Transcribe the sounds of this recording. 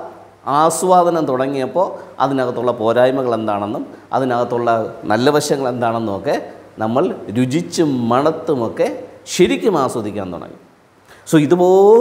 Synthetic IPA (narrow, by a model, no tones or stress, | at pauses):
aːsʋaːd̪ɐnɐmt̪uɽɐŋːijɐpːo̞ːɐ̰ðinɐɣɐt̪ːuɭːɐpo̞ːɾaːjmɐɣɐɭe̞nd̪aːɳe̞nːumɐ̰ðinɐɣɐt̪ːuɭːɐnɐlːɐʋɐɕjɐŋːɐɭe̞nd̪aːɳe̞nːumokːe̞nɐmːɐɭɾud͡ʑit͡ɕːumɐɳɐt̪ːumokːeɕeɾikʲːumaːswɐd̪ʱikʲːa̰ːnt̪ṵɽɐ̰ŋːḭ | soːiðɨpoː